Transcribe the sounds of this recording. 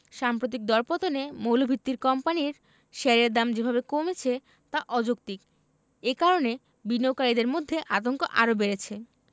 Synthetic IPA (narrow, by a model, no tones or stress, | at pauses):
ʃampɾot̪̬ik̚d̪ɔɾpot̪onemowlobʱit̪ːiɾkɔmpaniɾ | ʃeɾeɾd̪amd͡ʑebʱabekomet͡ɕʰe | t̪aʔɔd͡ʑok̚t̪ik | ekaɾone | binːowkaɾid̪eɾmod̪ʱːeʔat̪oŋko̰ʔa̰ɾobeɾet͡ɕʰe